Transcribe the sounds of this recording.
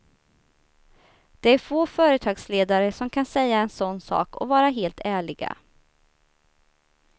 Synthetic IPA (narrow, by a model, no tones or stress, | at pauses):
d̪̥ɛæɾfoːfœːɾət̪ʰɑːɡsleːd̪aɾəsɔmkʰansɛjːaɛnsɔnːsɑ̰ːkɔ̰vɑːɾaɦeːlt̪ʰæːɭɪɡa̰